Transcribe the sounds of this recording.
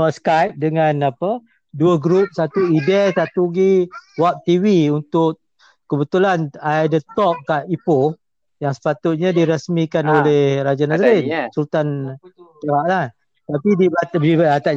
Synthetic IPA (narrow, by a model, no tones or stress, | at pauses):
əskajp̚dəŋanapə | duəɡɾup̚sat̪uidɛsat̪uɡiwap̚t̪iwiunt̪ʊʔ | kəbət̪ulanajdət̪ɔk̚kːaʔipo | jaŋsə̥pat̪ʊt̪̚ɲadiɾəsmikanolehrad͡ʒanasəɾɪnsult̪antəɾaʔlah | t̪apidibabibaat̪a